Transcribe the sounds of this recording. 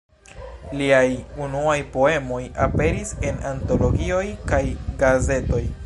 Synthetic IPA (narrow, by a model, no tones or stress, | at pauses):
liajunuajpo̞e̞mo̞jape̞ɾise̞nanto̞lo̞ɡio̞jkajɡaze̞to̞j